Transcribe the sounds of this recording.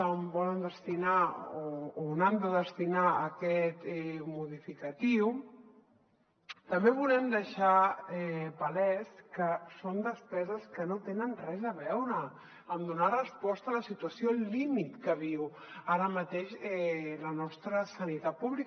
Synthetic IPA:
əombɔlənd̪əst̪inaoonand̪əðəst̪inaəkɛt̪ɛmuðifikət̪iw | t̪əmbeβulɛmd̪əʃaɛpəlɛskəsond̪əspɛzəskənot̪enənrɛzəβɛwɾə | əmd̪unarəspɔst̪əələsit̪uəsiolimit̪kəβ̞iw | aɾəmət̪eʃɛlənɔst̪ɾəsənit̪at̪̚puβli

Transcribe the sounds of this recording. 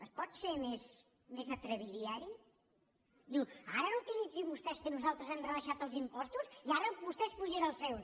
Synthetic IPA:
əspɔt̪semes | mezət̪ɾəβiðiaɾi | d̪uwaɾənut̪ilid͡zimbust̪ɛskənuzalˠt̪ɾəzɛmrəβəʃat̪əlˠzimpɔst̪uziaɾəbust̪ɛspuʒeɾəlˠsɛws

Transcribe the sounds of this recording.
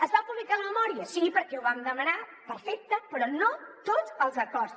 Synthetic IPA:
əzβampuβlikaləməmɔɾiəsipəɾkɛwβamd̪əmənapəɾfɛk̚t̪əpɾɔnot̪odzəlˠzəkɔɾt

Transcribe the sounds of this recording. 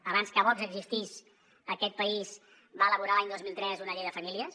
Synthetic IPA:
əβanskəβɔkzəɡzist̪is | əkɛt̪̚pəiz | baələβuɾalaɲd̪ozmilˠt̪ɾɛzunəʎejðəfəmiliəs

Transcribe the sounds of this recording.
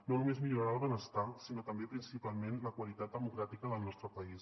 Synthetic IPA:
nonumezmiʎuɾaɾaəlˠβənəst̪asinot̪əmbepɾinsipalˠmenləkwəlit̪at̪̚d̪əmukɾat̪ikəðəlˠnɔst̪ɾəpəis

